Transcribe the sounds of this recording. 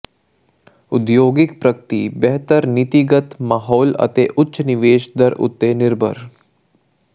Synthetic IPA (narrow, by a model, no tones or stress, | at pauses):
ʊd̪joːɡɪkpɾɐkt̪ibɛɦt̪əɾnɪt̪iɡət̪maːɦɔːlɐ̰t̪eʔʊtːʃənɪʋeːʃd̪əɾʊ̰t̪ːenɪɾbʱə̰ɾ